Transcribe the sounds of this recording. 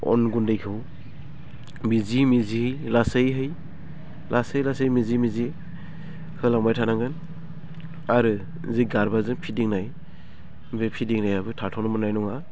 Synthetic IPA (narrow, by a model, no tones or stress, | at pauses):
ɔ̰nɡundɯjkʰɯw | bizimizilasɯjɦɯj | lʔasɯjlasɯjmizimizi | hɯlaŋmajtʰanaŋɡɯn | aɾɯ | ziɡaɾbazɯŋpʰidiŋnaj | bepʰidiŋnajabɯtʰatʰɔnɔmɯnajnɔŋa